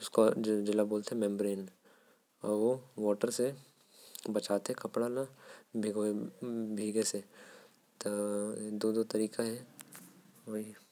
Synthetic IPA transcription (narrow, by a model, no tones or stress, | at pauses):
ʊskod͡ʒɪlaboːlt̪eɦɛ̃mɛ̃mbɾeːn | ɔ̰ːɾʋoʋɔːʈəɾse | bɐt͡ʃaːt̪eɦɛ̃kɐpɽanabʱiɡ | bʱiːɡese | t̪od̪od̪ot̪ɐɾiːkaɦɛ | ʋoɦi